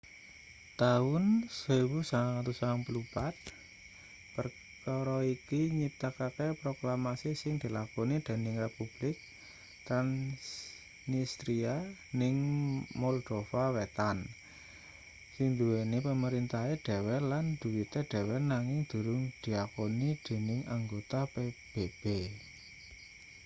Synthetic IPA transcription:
t̪aʊnsəwusaŋat̪usaŋpəlupat̪̚ | pər | kaɾɔikiɲit̪akakepɾoklamasisɪŋd̪̥i̤lakonid̪̥e̤nɪŋrepub̥lɪk̚ | t̪ɾans | nist̪ɾianɪŋmɔld̪̥ofawet̪an | sɪŋd̪ṳwenipəməɾint̪aeɖ̥ɛ̤wɛland̪̥ṳwit̪eɖ̥ɛ̤wɛnaŋɪŋd̪̥ṳɾʊŋd̪̥iakonid̪̥e̤nɪŋaŋɡot̪apeb̥eb̥e

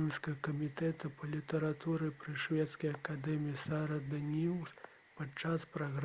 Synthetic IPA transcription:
mʲskɐɣɐkɐmʲit̪ɛt̪ɐpʰɐlʲit̪ɐɾat̪uɾɨpɾɨʂvʲɛt̪skɐjɐkad̪ɛmʲiisaɾɐd̪ɐnʲiws | pɐt͡ʂaspɾaɣɾ

